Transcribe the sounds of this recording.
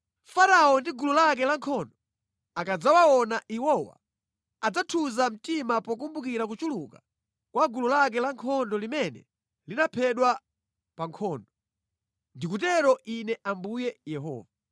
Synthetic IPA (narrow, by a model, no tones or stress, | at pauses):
faɾaɔndiɡululak̬ɛlaŋkʰɔndɔ | akad͡zawaɔnaʔiwɔwa̰ | ad͡zatʰuzam̩timapɔk̬umbukiɾakut͡ʃuluka̰ | kwaɡululak̬ɛlaŋkʰɔndɔlimɛnɛ̰ | linapʰɛɗwa | paŋkʰɔːndɔ | ndikutɛɾɔʔinɛʔambujɛjɛɦɔ̰ːva